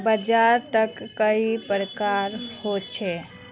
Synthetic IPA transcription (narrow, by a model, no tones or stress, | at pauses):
bəd͡ʒaɾʈəkːəipɾəkaɾhot͡ʃʰɛ